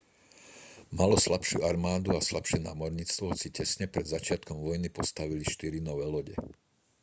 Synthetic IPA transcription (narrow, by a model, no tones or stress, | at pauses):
malɔslapʃṵaɾmaːd̪uaslapʃɪɛna̰ːmɔɾɲit͡st̪ʋɔɦɔt͡sicɛsɲɛpɾɛd̪zat͡ʃɪat̪kɔmʋɔjnipɔst̪aʋiliʃt̪iɾinɔʋɛːlɔɟɛ̰